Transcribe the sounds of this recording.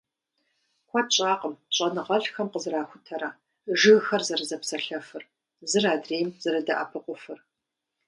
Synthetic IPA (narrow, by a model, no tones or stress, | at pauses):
kʷʰaɕʼaːqʼəmɕʼɐnɨʁɐɬxɐmqəzɨraːxʷʊtʰɐɾa | ʒɨɣxɐrzɐrɨzɐpsɐɬɐfɨr | zɨraːdreːjmz̥ɐɾɨdɐʔa̰pʰɨqʷʊfɨr